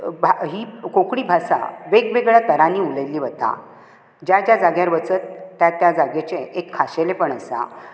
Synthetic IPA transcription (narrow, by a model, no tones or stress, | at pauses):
bʱaɦiːkokɽiːbʱasa̰ʋeɡʋeɡɭjat̪əɾaniːuləjliːʋət̪a̰ | d͡ʑjad͡ʑjad͡zaɡjaɾʋət͡sət̪ːjat̪ːjad͡zaɡet͡ɕeekʰːaɕelepəɳəsa̰